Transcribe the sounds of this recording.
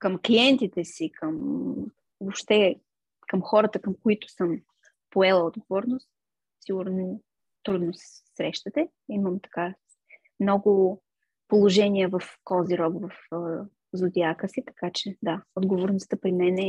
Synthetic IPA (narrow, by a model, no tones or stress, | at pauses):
kəmkliɛnt̪it̪ɛsikʰəm | vopʃt̪ɛ | kəmxɔɾət̪əkəmkoit̪ʊ̥səm | poɛlˠəod̪ɡovɔɾnost̪ | siɡuɾno | t̪ɾud̪nos | sɾɛʃt̪ət̪ɛ | iməmt̪ɐ̥ka | mnɔɡʊ | polˠoʒɛniəvɐfkɔziɾɔɡvɐf | zʊd̪iakəsit̪ɐ̥kat͡ʃɛd̪aod̪ɡovoɾnʊst̪əpɾimɛnɛ